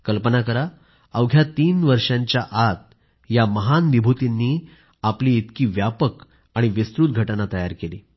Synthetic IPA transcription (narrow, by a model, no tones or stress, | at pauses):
kəlpənakəɾa | əwɡʱjat̪iːnʋəɾʂãɲt͡ɕjaʔat̪̚ | jaməɦanʋibʱut̪inːiː | apliːt̪kiːʋjapək | aɽ̃iʋist̪ɾuːt̪̚ɡʱəʈnat̪əjaɾkeliː